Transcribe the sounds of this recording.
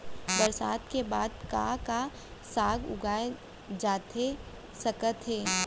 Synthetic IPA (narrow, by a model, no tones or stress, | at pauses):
bɐɾsaːd̪kebaːd̪kaka | saːɡʊ̰ɡaːe | d͡ʒaːt̪e | sɐkət̪ɦeː